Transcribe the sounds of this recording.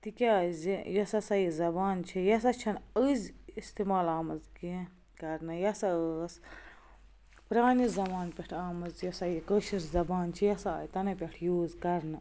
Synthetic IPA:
t̪ikʲeaːzijɐsɐsɐjizɐbaːnt͡ʃʰijɐs̬ɐt͡ʃʰɐnəzist̪imaːlaːmɐzki | kɐɾnɐjɐsɐəs | pɾaːnizɐmaːnpʲeʈʰaːmɐzjɐsɐjikəːʃiszɐbaːnt͡ʃʰijɐsaːjt̪ɐnɐpʲeʈʰjuːzkɐɾnɐ

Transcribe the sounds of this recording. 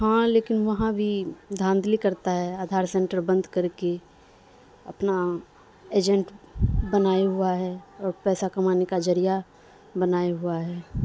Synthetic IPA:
ɦãleːkɪnʋɐɦãbʱid̪ʱãːnd̪likəɾt̪aɦɛaːd̪ʱaːɾsɛ̃ɳʈəɾbə̃nd̪ʱkəɾke | ɐ̰pna | eːd͡ʒɛ̃ɳʈbənaːiɦʊaɦɛɔːɾpɛːsakəmaːnekad͡ʒəɾija | bənaːiɦʊaɦɛː

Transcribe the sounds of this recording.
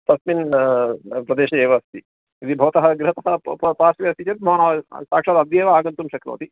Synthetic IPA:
t̪ɐsmin | pɾɐd̪eːʃɐeːʋɐst̪i | id̪ibʱɐʋɐt̪ɐɦɐ̆ɡɾɪɦɐt̪ɐɦɐpaːsʋijɐst̪it͡ʃɐt̪̚bʱɐʋɐnaːʋɐsaːkʂaːd̪ɐd̪jeːʋɐaːɡɐnt̪umʃɐkɾɐ̰ʋɐ̰t̪i

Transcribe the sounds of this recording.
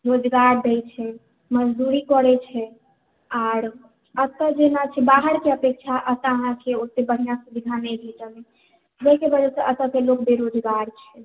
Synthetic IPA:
ɾod͡ʒɡaɾd̪ɛjt͡ʃʰɛ | məd͡ʒd̪uɾikɔɾɛt͡ʃʰɛ | aːɾ | ət̪əd͡ʒenat͡ʃʰɛbaɦəɾkeəpek̚t͡ʃʰaʔət̪aɦãkeot̪ebəɦinasubid̪ʱanɛɡɛt͡ʃəne | d͡ʒɛkebəd͡ʒɛseʔət̪əkelok̚beɾod͡ʒɡaɾt͡ʃʰɛ

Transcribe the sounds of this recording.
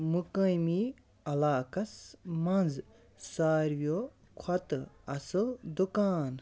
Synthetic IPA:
mukə̃jmi | ɐlaːkɐsmɐnz | saːɾʋjo | kʰɐt̪ɐsɨld̪ukaːn

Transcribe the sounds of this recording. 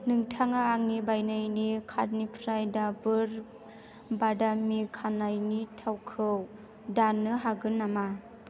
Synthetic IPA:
nɯŋtʰaŋaːŋnibajnajnikʰat̚nipʰɾajdabɯɾ | badamikʰanajnitʰawkʰɯw | danːɯɦaɡɯnːama

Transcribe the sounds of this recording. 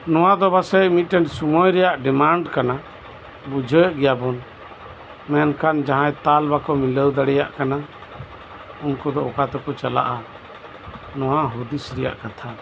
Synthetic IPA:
nɔw̃ad̪ɔbasɛmit̪̚ˀʈɛnsumɔjɾɛjaʔɖɛmaɳɖkana | bud͡ʒʱəʔɡɛjabɔn | mɛnkand͡ʒaɦãjt̪albakɔmiləwd̪aɽɛja̰ʔkana | unkɔd̪ɔɔkat̪ɔkɔt͡ʃala̰ʔa | nɔwaɦud̪isɾɛja̰ʔkat̪ʰa

